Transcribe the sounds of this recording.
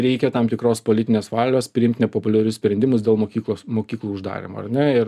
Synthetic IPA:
ɾʲɛɪkʲɛt̪ɑmt̪ʲɪkɾoːspoːlʲɪt̪ʲɪnʲeːsʋɑːlʲoːspʲɾʲɪɪmt̪ʲnʲɛpoːpʊlʲɛɾʲʊssʲpʲɾʲɛnd̪ʲɪmʊsd̪ʲeːlˠmoːkʲiːklˠoːsmoːkʲiːklˠuːʊʒd̪ɑ̰ːɾʲɪ̰mo̰ːɐ̰ɾnʲɛɪɾ

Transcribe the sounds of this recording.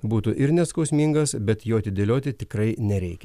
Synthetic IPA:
buːt̪uʔɪɾnʲɛskɐʊsʲmʲiːŋɡɐsbʲɛt̪joːɐt̪ʲɪd̪ʲelʲoːt̪ʲɪt̪ʲɪkɾɐɪnʲɛɾʲɛɪkʲɛ

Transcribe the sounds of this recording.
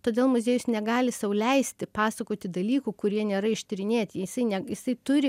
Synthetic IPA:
t̪oːd̪ʲeːlˠmʊzʲeːjʊsnʲɛɡɑːlʲɪsɐʊlʲɛɪsʲt̪ʲɪpɑːsɐkoːt̪ʲɪd̪ɐlʲiːkuːkʊɾʲiɛnʲeːɾɐɪʃʲt̪ʲɪɾʲɪnʲeːt̪ʲiɛjɪsɐɪnʲɛjɪsɐɪt̪ʊɾʲɪ

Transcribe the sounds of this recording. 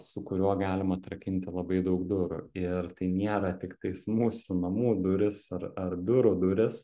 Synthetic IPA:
sʊkʊɾʲuɔɡɑːlʲɪmɐːt̪ɾɐkʲɪnʲt̪ʲɪlˠɐbɐɪd̪ɐʊkd̪ʊɾʊ̰ɪɾt̪ɐɪnʲeɛɾɐt̪ʲɪkt̪ɐɪsmuːsʊnɐmuːd̪ʊɾʲɪsɐrɐrd̪ʊɾʊd̪ʊɾʲɪs

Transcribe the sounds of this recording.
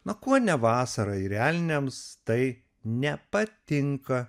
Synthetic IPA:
nɐkuɔnʲɛʋɑːsɐɾɐiɾʲæːlʲnʲemst̪ɐɪ | nʲɛpɐt̪ʲɪŋkɐ

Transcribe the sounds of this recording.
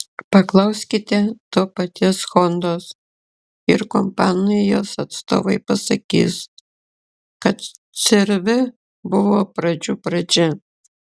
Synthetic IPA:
pɐklˠɐʊsʲkʲɪt̪ʲɛt̪oːpɐt̪ʲisfɔnd̪oːs | ɪɾkɔmpɑːnɐjoːsɐt̪st̪o̰ːʋɐɪpɐsɐkʲḭːs | kɐt̪ | sʲɪɾʲʋʲɪ | bʊʋoːpɾɐd͡ʒʲuːpɾɐd͡ʒʲɛ

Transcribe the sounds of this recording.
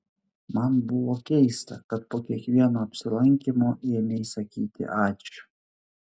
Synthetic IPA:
mɐnbʊʋoːkʲɛɪst̪ɐ̰kɐt̪̚poːkʲiɛkʋʲiɛnoːɐpʲsʲɪlˠɐŋʲkʲimoːʔiːmʲɛjsɐkʲiːt̪ʲɪ̰ʔɑːt͡ʃʲʊ̥

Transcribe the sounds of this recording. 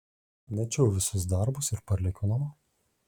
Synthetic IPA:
nʲɛt͡ʃʲɛʊʋʲɪsʊsd̪ɐɾbʊsɪɾpɐɾʲlʲɪkʲonɐmo

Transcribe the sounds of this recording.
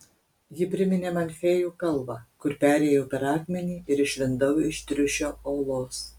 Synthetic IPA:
jɪpʲɾʲɪmʲɪnʲeːmɐnʲfʲejuːkɐlˠbɑːkʊɾpʲæːɾʲeːjɛʊpʲɛɾɑːkʲmʲɛnʲiːɪɾɪʃʲʋʲɪnd̪ɐʊɪʃt̪ʲɾʲʊʃʲoːoːlˠoːs

